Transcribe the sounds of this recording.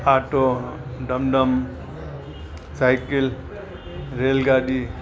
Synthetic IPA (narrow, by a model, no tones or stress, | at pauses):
aʈoɖəmɖəm | sajkil | ɾelɡaɖi